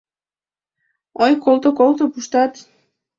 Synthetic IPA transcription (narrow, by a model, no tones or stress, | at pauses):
ojkolˠt̪okolˠt̪opuʃt̪ɑt̪